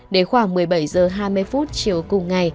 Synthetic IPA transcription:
ɗe˧˩xwaː˧˩ŋmɨ˨˩əjɓa˧˩jzəː˨˩ɦaː˧jmɨ˧əjfu˦˥t̚t͡ɕi˨əwkʊ˨˩ŋ͡mŋa˨˩j

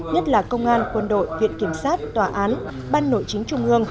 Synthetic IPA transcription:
ɲə˦˥t̚laː˨˩kə˧wŋ͡mʔaː˧nkwə˧nɗo̰˧˨jvḭ˧˨ənki˧˩əmsaː˦˥t̚t̪waː˨˩ʔaː˨˦n | ɓaː˧nːo̰˧˨jt͡ɕï˨˦ŋ̟t͡ɕʊ˧ŋ͡mʔɨ˧əŋ

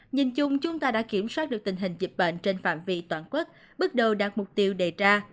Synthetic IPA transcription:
ɲi˨˩nt͡ɕʊ˧ŋ͡mt͡ɕʊ˨˦ŋ͡mt̪aː˧ɗa̰ː˧˥ki˧˩əmswaː˦˥t̚ɗɨ˨˩k̚t̪ï˨˩ŋ̟ɦï˨˩ŋ̟zi˨˩p̚ɓə̰˧˨nt͡ɕe˧nfa̰ː˧˨mvḭ˧t̪waː˧˩nkwə˦˥t̚ | ɓə˦˥t̚ɗə˨˩wɗaː˨˩t̚mʊ˨˩k͡p̚t̪i˧əwɗe˨˩t͡ɕaː˧

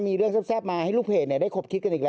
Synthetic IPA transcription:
miː˧ɾɯ˥˩əŋsaː˥˩saː˥˩p̚maː˧ha˥˩jluː˥˩pʰeː˨˩ni˥˩daː˥˩jkʰo˨˩p̚kʰi˦˥t̪̚ka˧nʔiː˨˩ɾɛ˦

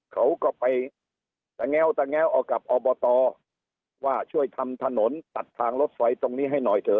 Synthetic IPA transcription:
kʰa˦˥wkɔː˥˩pa˧j | t̪a˧ŋɛː˥˩wt̪a˧ŋɛː˦˥wʔɔː˨˩kːa˨˩p̚ʔɔː˧bɔː˧t̪ɔː˧ | waː˥˩t͡ɕʰu˥˩əjt̪ʰa˧mt̪ʰa˧no˩˦nt̪a˨˩t̪ʰːaː˧ŋlo˦˥t̪̚fa˧jt̪o˧ŋniː˦˥˩ɦa˥˩jnɔː˨˩jt̪ʰɤː˧

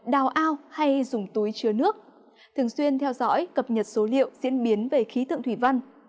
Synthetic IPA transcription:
ɗaː˨˩wʔaː˧wha˧jzʊ˨˩ŋ͡mt̪u˨˦jt͡ɕɨ˨˩ənɨ˦˥ək̚ | t̪ʰɨ˨˩əŋswi˧ənt̪ʰɛ˧wzɔ̰˧˥jkə˨˩p̚ɲə˨˩t̚so˨˦lḭ˧˨əwzḭ˧˥ənɓi˨˦ənve˨˩xi˨˦t̪ɨ̰˧˨ŋt̪ʰi˧˩va˧ŋ

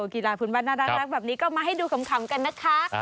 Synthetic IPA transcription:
ki˨laː˧˩pʰuː˨˩˦nbaː˧nːaː˧˩daː˦˥ɾa˦˥k̚bɛː˨˩p̚niː˦˥kɔː˥˩maː˧ɦa˥˩jduː˧kʰa˨˦mkʰa˩˦mka˧nːa˦˥kʰa˦˥

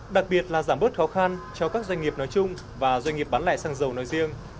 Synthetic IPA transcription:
ɗa˨˩k̚ɓi˨˩ət̚laː˨˩zaː˧˩mɓə˦˥t̚xɔ˨˦xa˧nt͡ɕɔ˧kaː˦˥k̚zwa˧jŋ̟ŋi˨˩əp̚nɔ˨˦jt͡ɕʊ˧ŋ͡m | vaː˨˩zwa˧jŋ̟ŋi˨˩əp̚ɓaː˨˦nla̰ː˧˨jsaː˧ŋzə˨˩wnɔ˨˦jzi˧əŋ

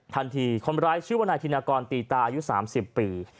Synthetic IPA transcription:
t̪ʰa˧nt̪ʰiː˧kʰo˧nɾaː˦˥jt͡ɕʰɯː˥˩wa˧naː˧t̪ʰiː˧naː˧kɔː˧nt̪iː˨˩t̪aː˧ʔa˧ju˦˥saː˩˦msi˨˩pːiː˧

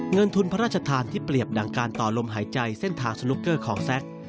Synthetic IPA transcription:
ŋɤ˧nt̪ʰu˧npʰa˦ɾaː˥˩t͡ɕʰa˧t̪ʰaː˧nt̪ʰiː˥˩pli˨˩əp̚da˨˩ŋkaː˧nt̪ɔː˨˩lo˧mɦaː˩˦jt͡ɕa˧jse˥˩nt̪ʰaː˧ŋsu˧lu˦˥kːɤː˥˩kʰɔː˩˦ŋsɛ˦˥k̚

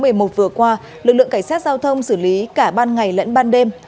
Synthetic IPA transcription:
mɨ˨˩əjmo˨˩t̚vɨ˨˩əkwaː˧ | lɨ˨˩k̚lɨ̰˧˨ə˨ŋka˧˩ŋ̟saː˦˥t̚zaː˧wt̪ʰə˧wŋ͡msɨː˧˩li˨˦kaː˧˩ɓaː˧nŋa˨˩jlə̰˧˥nɓaː˧nɗe˧m

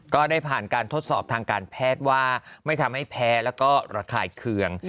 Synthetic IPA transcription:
kɔː˥˩daː˥˩jpʰaː˨˩nkaː˧nt̪ʰo˦˥t̪̚sɔː˨˩p̚t̪ʰaː˧ŋkaː˧npʰɛː˥˩t̪̚waː˥˩ma˥˩jt̪ʰa˧mha˥˩jpʰɛː˦˥lɛː˦˥wkɔː˥˩ɾaː˧kʰaː˧jkʰɯ˧əŋ

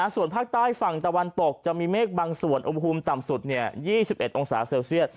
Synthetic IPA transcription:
a˧˩su˨˩ənpʰaː˥˩k̚t̪aː˥˩jfa˨˩ŋt̪a˧wa˧nt̪o˨˩k̚t͡ɕa˨˩miː˧meː˥˩k̚baː˧ŋsu˨˩ənʔu˧mpʰu˧mt̪a˨˩msu˨˩t̪̚ni˥˩əjiː˥˩si˨˩p̚ʔe˨t̪̚ʔo˧ŋsa̰ː˩˦seː˧wsi˥˩ət̪̚

